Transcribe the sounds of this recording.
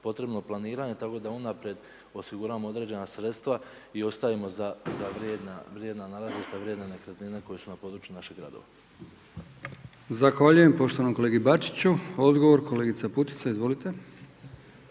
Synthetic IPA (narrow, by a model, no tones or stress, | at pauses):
po̞t̪ɾe̞bno̞planiːɾaɲe̞t̪ako̞d̪aunapɾjed̪ | o̞siɡuɾaʋamoo̞d̪ɾe̞d͡ʑe̞nasɾe̞t̪st̪ʋa | io̞st̪aimo̞zazaʋɾed̪naʋɾjed̪nanalazest̪aʋɾje̞d̪nenekɾat̪nineko̞jesunapo̞ːd̪ɾut͡ʃjunaʃeɡɾa̰d̪o̞̰ʋa̰ | zaxʋaʎuje̞mpo̞ʃt̪o̞ʋanokoleːɡibat͡ʃi̥t͡ɕuo̞d̪ɡoʋo̞ɾko̞le̞ːɡit̪aput̪i̥tsaizʋo̞lit̪e̞